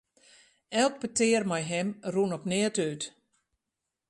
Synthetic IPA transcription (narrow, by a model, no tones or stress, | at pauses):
ɛlˠk̚pətɪːrmɛjɦɛmrunɔpnɪətyt